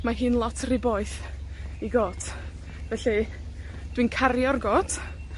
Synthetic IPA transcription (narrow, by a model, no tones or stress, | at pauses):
maɦɨːnlˠɔtʰrɪboɨθiɡoːtʰ | vɛɬi | d̥winkʰarjɔrɡoːt